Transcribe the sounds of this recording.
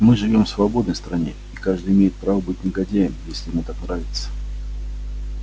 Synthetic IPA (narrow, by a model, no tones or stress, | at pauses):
mɨʐɨvʲo̞mfsvɐbo̞d̪nəjst̪ɾɐnʲe | ikaʐd̪ɨjɪmʲejɪt̪̚pɾavəbɨt̚ʲnʲɪɡɐdʲejɪmjesʲlʲɪmɨt̪aknɾavʲɪt̪sə̥